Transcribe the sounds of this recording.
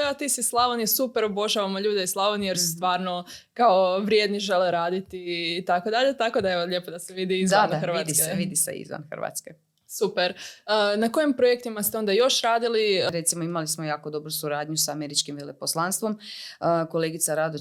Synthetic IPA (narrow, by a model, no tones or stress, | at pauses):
eot̪iːsislˠaʋonisupeɾobo̞ʒaʋamoʎuːd̪eislˠaʋonijeɾsust̪ʋaːɾno̞kao̞ʋɾjed̪niʒe̞leɾaːd̪it̪iːt̪akod̪aʎet̪ako̞d̪aeʋoʎepo̞d̪aseʋid̪iizanxɾ̩ʋat̪d̪iskeeʋid̪isḛḭzʋa̰nxrɾʋa̰t̪ske | supeɾənako̞jimpɾojek̚t̪imast̪eo̞nd̪ajo̞ʃɾaːd̪iliɾet̪simoimalismojaːkod̪o̞bɾusuɾaːd̪ɲusaameɾit͡ʃkimʋeleposlˠanst̪ʋo̞məkoleɡit̪saɾad̪o